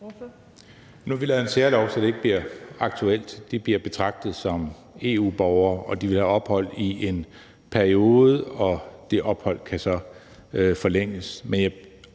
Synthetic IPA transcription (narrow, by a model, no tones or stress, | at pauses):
nuʋilɛð̩ˠenseɐlɒʊsɒd̥e̝e̝ɡ̥əb̥liɐɑ̈ɡ̥̚t͡sʰuel̰d̥d̥eb̥liɐb̥e̝t͡sʰʁɑ̈ɡ̥̚d̥ð̞̩ˠsɒ̽m | e̝ṵːb̥ɒʊɐːɒ̽d̥iʋe̝lhæɒ̽b̥hɒ̽l̰iʔe̝n | pʰæɐio̝ːð̞̩ˠɒ̽d̥e̝ʔɒ̽b̥hɒ̽l̰kʰæsɒ̽ | øfɒ̽leŋ̰əsmenjɑ̈